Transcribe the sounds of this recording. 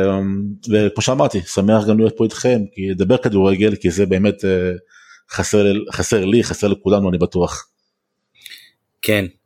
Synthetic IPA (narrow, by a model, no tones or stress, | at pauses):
vekmo̞ʃeamaʁt̪isameaχɡamlojot̪̚poit̪χe̞mkined̪abeʁkad̪uʁeɡe̞lkizebe̞ːme̞t̪ | χaseχaseʁliχaseʁlekulanuanibat̪uaχ | kʰen